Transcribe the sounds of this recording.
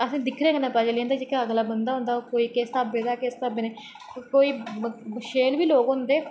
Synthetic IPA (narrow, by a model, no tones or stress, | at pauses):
əsĩːd̪ɪkʰɾeãkənãːpaːd͡ʒelijãnd̪aːd͡ʒɪkɪaɡlaːbənd̪aːɦʊ̃ːnd̪aːoːkoːiːkest̪aːbeːd̪aːkest̪abeneː | koːiːʃeːlʋiːloːɡɦʊ̃nd̪eː